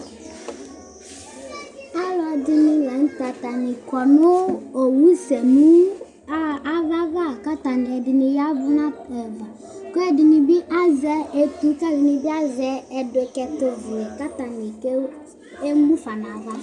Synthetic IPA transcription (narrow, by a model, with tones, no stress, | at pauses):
a˦lɔ˨dɪ˦nɪ˦lɛ˨n̩˦ta˨ta˨nɪ˨kɔ˨nʊ˦o˨wu˦sɛ˨mu˦ | a˦a˦va˦va˦˨ka˦ta˨n˨ɛ˨dɪ˨nɪ˨ja˦vʊ˦nã˦ɛ˨va˨ | ko˦ɛ˦dɪ˨nɪ˨bɪ˦ʔa˦zɛ˨e˦tu˦ka˦dɪ˨nɪ˨bi˦a˦zɛ˦ɛ˨dʊ˨kɛ˨to˨vi˨ɛ˨ka˦ta˨ni˨ke˦ | e˦mu˦fa˨na˨va˦